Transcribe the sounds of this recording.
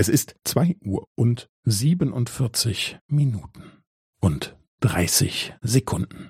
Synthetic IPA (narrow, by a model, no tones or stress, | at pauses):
ʔɛsɪstt͡sv̥aɪʔuːɐʔʊnt | ziːbənʊntfɪɐt͡sɪçminuːtn̩ | ʔʊnt | d̥ʁa̰ɪsɪ̰çzekʰʊndn̩